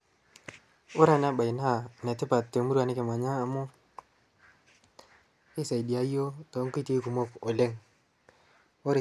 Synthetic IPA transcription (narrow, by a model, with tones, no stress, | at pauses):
o˦ɾa˨na˦ba˨i˨na˦˨na˨ti˦pa˨tːe˨mu˦ɾu˦a˨ni˦ke˨ma˨ɲaː˦˨˦mo˦ | i˦sa˨i˨di˨a˦o˦to˨˦ŋki˦ti˦ku˨mo˦ko˨le˦ŋ | o˦ɾ